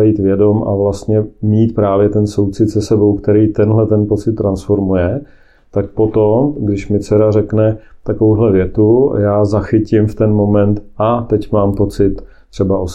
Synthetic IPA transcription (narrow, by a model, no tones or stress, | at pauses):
jiːt̪vjɛdo̞ma̰vlast̪ɲɛmiːt̪̚pɾaːvjɛt̪ɛnso̞wt͡sɪt̪sɛsɛbo̞wkt̪ɛɾiːt̪ɛnɦlɛt̪ɛnpo̞t͡sɪt̪ːɾansfo̞ɾmujɛ | t̪ak̚po̞t̪omɡdɪʃmɪt͡sɛɾarɛknɛt̪akovowɦlɛvjɛt̪ṵjaːzaxɪcɪmft̪ɛnmo̞mɛnt̪ʔat̪ɛcmaːmpo̞t͡sɪt̪ː | r̥ɛbaʔos